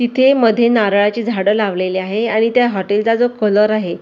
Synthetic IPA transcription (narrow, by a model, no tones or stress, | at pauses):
t̪it̪ʰeməd̪ʱːjenaɾɭat͡ɕiːd͡zʱaɽəlaʋleliaɦeaɽ̃it̪jaɦɔʈeld͡zad͡zokələɾaɦe